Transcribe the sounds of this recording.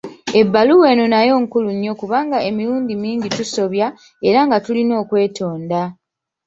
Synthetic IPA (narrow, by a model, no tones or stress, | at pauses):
e̞bːaluwe̞ːnonajo̞ːŋkuluɲːo̞kuβaːŋɡae̞miɾuːndimiːɲɟituso̞βja | e̞ɾaŋɡatulino̞ːkwe̞ːtʰo̞ːnda